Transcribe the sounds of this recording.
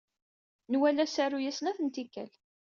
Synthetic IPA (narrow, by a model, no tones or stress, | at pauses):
nwælæsæɾujæsnæθənt̪ikːæ̰l